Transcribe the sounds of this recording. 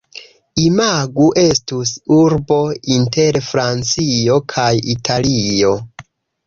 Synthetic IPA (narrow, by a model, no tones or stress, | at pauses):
imaɡuʔe̞stusuɾbo̞inte̞ɾfɾant͡sio̞kʰajḭtʰalio̞